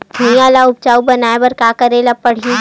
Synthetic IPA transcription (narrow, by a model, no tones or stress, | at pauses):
bʱɐĩaːlaʊb̚t͡ʃaːubɐnaːebɐɾkaːkɐɾelapɐɽ̤ijũ